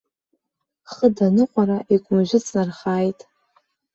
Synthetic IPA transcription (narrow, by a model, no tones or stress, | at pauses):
χədanɨqʷʼaɾaʔikʷʼʊmʒʷᶣɪt͡sʰʼnarχaːjtʼ